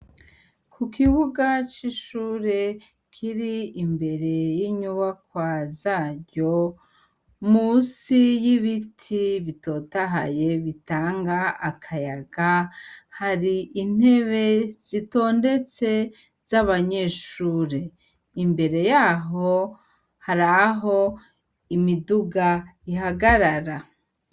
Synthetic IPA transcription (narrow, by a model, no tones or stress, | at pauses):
kʰukiβuɡat͡ʃiʃuːɾe̞ | kʰiɾiimbe̞ɾe̞jiɲuβakwazaːɾɟo̞ | muːsijiβitʰiβito̞taɦa̰je̞βitaːŋɡaakʰajaɡahaɾiʔin̥e̞βe̞z̥ito̞ːnde̞t͡se̞ | z̥aβaɲe̞ːʃuːɾe | imbe̞ɾe̞jaːɦo̞ | haɾaɦo̞ | imiduɡaiɦaɡaɾaɾa